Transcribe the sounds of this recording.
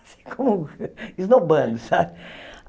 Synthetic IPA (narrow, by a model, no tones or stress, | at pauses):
sĩ̥kʰõmʊiznobɐ̃nd̪ʊsabɪ